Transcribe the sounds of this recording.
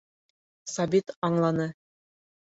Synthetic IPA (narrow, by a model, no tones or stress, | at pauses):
sɑbit̪ɑɴlˠɑnɤ